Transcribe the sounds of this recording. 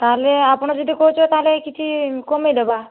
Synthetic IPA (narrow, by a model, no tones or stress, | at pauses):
t̪aɦleapɳ̃ɔd͡ʒɔd̪ikɔɦut͡ʃʰɔt̪aɦlekit͡ʃʰikɔmejd̪ɔba